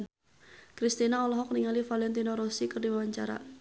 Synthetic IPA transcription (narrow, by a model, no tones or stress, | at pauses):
kɾist̪inaɔlɔɦɔkniŋalifalɛnt̪inɔɾɔsikərdiwawaɲt͡ʃa̰ɾa̰